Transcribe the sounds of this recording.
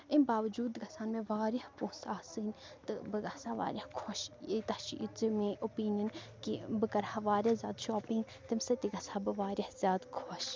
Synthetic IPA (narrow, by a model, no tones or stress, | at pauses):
imbaːʋd͡ʒuːd̪ɡɐsaːnmẽʋaːɾɐhpũːsaːsɨn | t̪ɨbɨɡɐsaʋa̰ːɾʲjɐhkʰoʃit̪ɐt͡ʃiʔit͡smẽʔopiːnjɐnkibɨkɐɾhɐʋaːɾʲɐhzʲjaːd̪ʃɔːpĩŋɡ | t̪imsɐt̪iɡɐsaːbɨʋaːɾjɐhzʲjaːd̪kʰoʃ